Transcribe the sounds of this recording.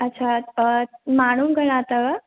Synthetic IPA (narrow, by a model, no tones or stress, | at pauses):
ətːɕʰa | maɽ̃umɡʱəɽ̃ãt̪ə